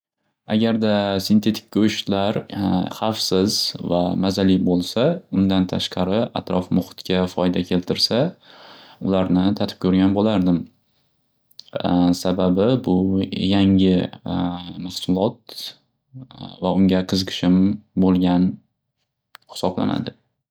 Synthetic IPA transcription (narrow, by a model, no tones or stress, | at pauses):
a̰ɡʲaɾd̪asɪnt̪ʰe̞t̪ʰɪ̥kʲːɵʃlaɾχɑfsɪzvamazalibolˠsaʊnd̪ant̪ʰaʃqʰɑɾɪʔa̰t̪ɾɒfmʊχɪ̥t̪kʲafɒjd̪akʲʰe̞lt̪ʰɪɾsa | ʊlaɾnɪt̪ʰat̪ʰɪ̥p̚kʰʲɵɾɡʲanbolaɾd̪ɪm | sababɪbʊjaŋɪ | mahsʊlˠɒt̪̚ | vaʊŋɡʲaqʰɨzɨqʰɨ̥ʃɪmbolˠɡʲan | hɪ̥sɒbla̰na̰d̪ɪ